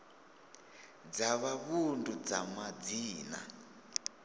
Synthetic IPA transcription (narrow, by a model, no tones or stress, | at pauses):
d͡zaβaβundud͡zamad͡ziːna̰